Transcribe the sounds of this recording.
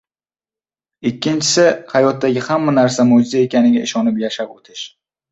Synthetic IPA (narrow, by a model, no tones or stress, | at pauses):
ɪkʲʰːɪnt͡ʃʰɪ̥sɪhajɒt̪ːaɡʲɪhamːanaɾsamod͡ʒɪzae̞kʲanɪɡʲaɪʃɒnɪpjaʃapot̪ʰɪʃ